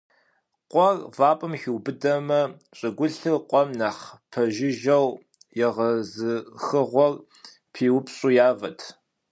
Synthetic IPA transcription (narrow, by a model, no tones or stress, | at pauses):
qʷʼɔrvaːpʼɨmxɪwbɨdɐmɐ | ɕʼɪɡʷʊɬɨqʷʼɔmnaːχpʰɐʒɪʒɐw | jɛʁɐzɨxɨʁʷɔr | pʰiːwʊpɕʼuːjaːvɐtʰ